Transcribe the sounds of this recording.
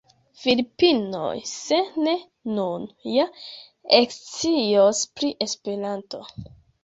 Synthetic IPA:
filipino̰jse̞ne̞ | nunja | ekt͡siospɾiʔe̞spe̞ɾanto̞

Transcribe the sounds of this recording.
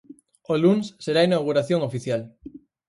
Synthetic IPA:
olunsːeɾainawɣ̞uɾaθjoŋofiθjal

